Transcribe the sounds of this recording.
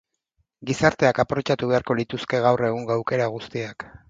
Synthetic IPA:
ɡisaɾt̪e̞akapɾo̞t͡ʃat̪uβ̞e̞aɾko̞lit̪uske̞ɣawre̞ɣ̞uŋɡoawke̞ɾaɣ̞ust̪iak

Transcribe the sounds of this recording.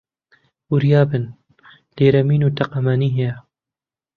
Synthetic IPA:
uɾjaːbɨn | leːɾɐmiːnuːt̪ɐqɐmaːniːɦeɛ

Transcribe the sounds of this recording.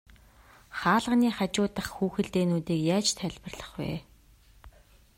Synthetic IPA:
χaːɮə̆niːχat͡ɕʊːt̪ə̆χxuːxɘ̆ɮt̪eːnuːt̪iːkjaːt͡ɕt̪ʰæɮʲpə̆rɮə̆χwḛː

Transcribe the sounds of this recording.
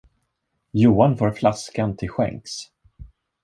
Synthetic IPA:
juːanfoːɾflaskant̪ʰɪlɧɛ̰ŋks

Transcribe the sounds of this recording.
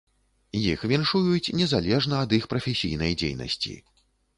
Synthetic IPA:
jixvʲinʂujut͡sʲnʲɛzalʲɛʐnɐɐd̪ixpɾɐfʲɛsʲijnɐjd͡zʲḛjnɐ̰sʲt͡sʲḭ

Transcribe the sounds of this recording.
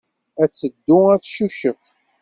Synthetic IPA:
æt͡sːəd̪ːʊæt͡sːʃuʃəf

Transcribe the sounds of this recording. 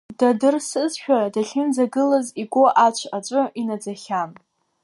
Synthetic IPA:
d̥adɨrsɨzʃᶣadaɬʲɪnd͡zaɡɨlaziɡʷoʔat͡ʃʷʰat͡ʃʷʼʊʔinad͡zaχʲam

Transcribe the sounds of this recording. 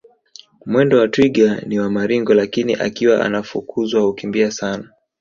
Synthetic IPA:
mwɛndɔwatwiɠaniwamaɾiŋɡɔlakiniʔa̰kiwaʔa̰nafukʰuzwahukimbiasana

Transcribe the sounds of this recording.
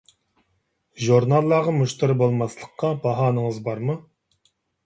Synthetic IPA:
ʒuɾnɑlˠːɑʁɑmuʃt̪ɨɾɨbolˠmɑslˠəqʰːɑbɑɦɑːnəŋəzbɑɾmu

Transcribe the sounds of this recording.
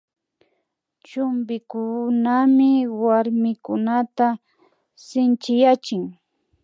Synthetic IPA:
t͡ʃʊmbɪkʊnamɪwaɾmɪkʊnat̪a | sɪnt͡ʃɪjat͡ʃɪŋ

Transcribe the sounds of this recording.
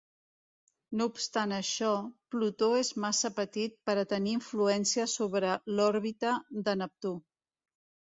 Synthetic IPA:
noupst̪anəʃɔplut̪oezmasəpət̪it̪̚pəɾət̪əniːɱfluɛnsiəsoβɾəlɔɾβit̪əd̪ənəp̚t̪u

